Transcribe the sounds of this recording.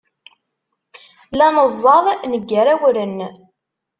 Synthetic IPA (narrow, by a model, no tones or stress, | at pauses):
lænəzˤːɑðˤnəɡːəɾæwɾənː